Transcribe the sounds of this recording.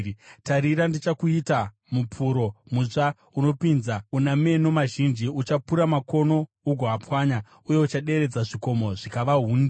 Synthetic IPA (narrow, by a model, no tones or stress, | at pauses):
taɾiɾandit͡ʃakuita | mupʰuɾo̞muʐa | uno̞pinzauname̞nomaʒind͡ʒiut͡ʃapuɾamako̞no̞ | uɡʱoapwaːɲa | uje̞ut͡ʃaɗe̞ɾe̞d͡zaʐiko̞mo̞ʐikaʋaɦuːnde